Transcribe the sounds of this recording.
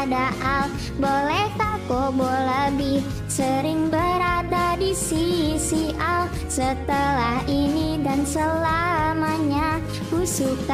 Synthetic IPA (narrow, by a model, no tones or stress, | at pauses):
daʔal | bolɛhk̪akoboləbɪh | səɾɪŋbəɾadadisisial | sət̪əlahinidansəlamaɲa | kusuk